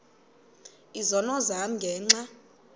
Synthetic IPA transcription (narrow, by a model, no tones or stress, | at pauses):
izɔnɔzam̩ŋɡʱɛːŋ͡ǁa